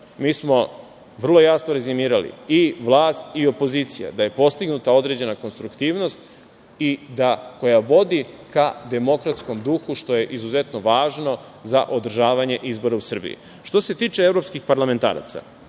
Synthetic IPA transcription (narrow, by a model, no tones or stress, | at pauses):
miːsmo̞ | ʋr̩lˠo̞jasnoɾe̞zimiːɾalḭiʋlˠaːst̪io̞po̞ziːt̪sija̰d̪aje̞po̞st̪iɡnut̪ao̞d̪ɾe̞ːd͡ʑe̞nako̞nst̪ɾukt̪iːʋno̞st̪ | id̪ako̞jaʋo̞d̪ikad̪e̞mo̞kɾat̪sko̞md̪uxuʃt̪o̞je̞ʔizuze̞t̪no̞ʋaːʒno̞ | za̰ʔo̞d̪r̩ʒaːʋaɲe̞ʔizbo̞ɾausr̩bḭjḭ | ʃt̪o̞se̞t̪iːt͡ʃe̞evɾopskixpaɾlame̞nt̪a̰ːɾa̰t̪sa̰